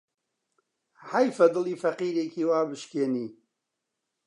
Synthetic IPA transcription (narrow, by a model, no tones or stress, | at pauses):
hajfɐd̪ɨlˠiːfɐqiːɾeːkiːwaːbɨʃkeːniː